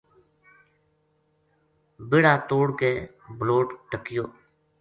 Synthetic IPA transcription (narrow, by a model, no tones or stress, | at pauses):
beɽaːt̪oːɽkeː | bloːʈʈəkɪjoː